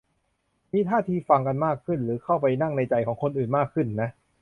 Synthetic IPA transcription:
miː˧t̪ʰaː˥˩t̪ʰiː˧fa˧ŋka˧nmaː˥˩kʰːɯ˥˩nɾɯː˩˦kʰa˥˩wpa˧jna˥˩ŋna˧jt͡ɕa˧˩jkʰɔː˩˦ŋkʰo˧nʔɯː˨˩nmaː˥˩kʰːɯ˥˩nːa˦˥ʔ

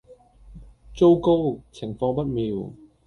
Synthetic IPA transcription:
t͡so˥wko˥wt͡sʰɪ˨˩ŋfɔː˧ŋpɐ˥t̚miː˨˧w

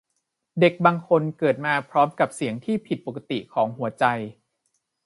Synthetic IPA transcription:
de˨˩k̚baː˧ŋkʰo˧nkɤː˨˩t̪̚maː˧pʰɾɔː˦˥mka˨˩p̚si˩˦əŋt̪ʰiː˥˩pʰi˨˩t̪̚po˨˩kːa˧t̪i˨˩kʰɔː˩˦ŋɦu˨˩˦ɐt͡ɕa˧j

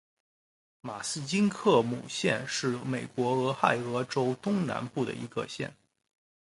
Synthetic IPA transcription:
ma˨˩sɹ̩˥˧t͡ɕi˥nkʰɤ˥˩mṵ˨˩ɕjɛ̰˥˧nʂɻ̩˥˩me˨˩ɪkwɔ˧˥ɤ˧˥xa˥˩ɪɤ˧˥ʈ͡ʂo˥ʊt̪ʊ˥ŋna̰˧˥npu˥˩d̪ə̰˩ḭ˧˥ɡə̰˧ɕjɛ̰˥˩n

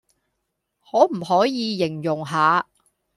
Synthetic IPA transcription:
hɔː˨˥m̩˨˩ɦɔː˨˥jiː˨˧jɪ˨˩ŋjʊ˨˩ŋɦaː˨˧

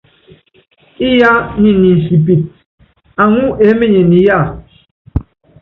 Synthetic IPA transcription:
i˦ja˦ni˨ni˨si˨p̬i˨t̚ | a˨ŋu˦ʔe˨˦me˦ɲe˨ni˨˦ja˦˨

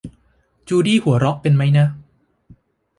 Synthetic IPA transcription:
t͡ɕuː˧diː˥˩hu˨˩˦ɐɾɔ˦˥ʔ̚pe˧nma˦˥jna˦˥ʔ

